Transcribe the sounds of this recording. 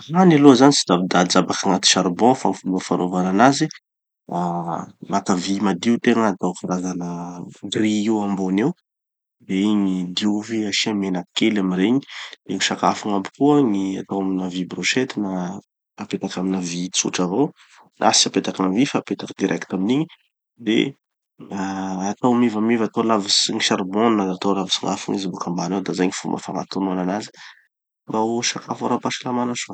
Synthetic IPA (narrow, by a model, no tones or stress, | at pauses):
ranaluəzanit͡si̥zabid̪ad͡zabakaŋat̪i̥ʃaɾbɔ̃famfulufanovananazi | amakavimad̪iut̪eŋəat̪awkaɾazanəɡriiwambonew | d̪eɲid̪iuviaʃiamenakelaminɾeɲi̥d̪eŋiʃakafaŋambi̥kuəŋia̰t̪owaminavibroʃet̪ina | apet̪akaminavit͡sṵʈ͡ʂavow | nʔasiapet̪akanavifapet̪akəd̪iɾʔɛkt̪aminiɲi | d̪ḛ | aat̪awmivamivat̪olavisiŋiʃaɾmonːazat̪olavisiŋafṵŋizibukambanawd̪azajɲifṵmbə̰faŋa̰t̪onuananazi̥ | bawʃakafaɾapaʃalamanaʃo